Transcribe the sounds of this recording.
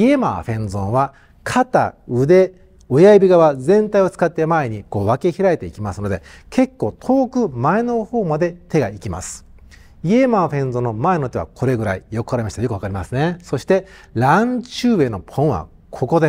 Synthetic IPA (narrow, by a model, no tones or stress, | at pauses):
ie̞ma̰ːɸẽ̞nzõɰ̃βa | kʰat̪a̰ɯ̟d̪e̞ | ojaibʲiɡaβazẽ̞nt̪aio̞t͡sɨ̥kat̪ːe̞mae̞ɲ̟iko̞ːβake̞çiɾaet̪e̞ikʲimasɨno̞d̪e̞kʰe̞kːo̞ːt̪ʰo̞ːkɯ̟mae̞no̞ho̞ːmad̪e̞t̪e̞ɡaikʲima̰sɨ̥ | ie̞maːɸẽ̞nzõnːomaeno̞t̪e̞βa̰kʰo̞ɾe̞ɡɯ̟ɾaijo̞kɯhaɾemaɕi̥t̪ajo̞kɯ̟akaɾʲimasɨne̞so̞ɕi̥t̪e̞ | ɾãɲt͡ɕɨːβe̞no̞pʰõ̞ɰ̃βa̰ | kʰo̞ko̞d̪e